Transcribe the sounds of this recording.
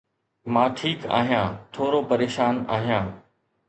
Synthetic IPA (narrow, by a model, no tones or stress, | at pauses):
mãːʈʰiːka̰ːɦijãːt̪ʰoːɾopəɾeːʃaːnaːɦijãː